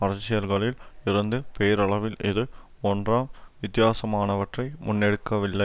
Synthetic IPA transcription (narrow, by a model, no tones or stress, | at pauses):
ɐɾɐt͡ʃːɪjɐlɣɐɭɪlɪɾɐnd̪ɯpeːɾɐɭɐʋɪlɪðɯ | ɔndraːmʋɪt̪ːɪjaːsɐmaːnɐʋɐʈrɐɪmʊnːɛɽɯkːɐʋɪlːɐɪ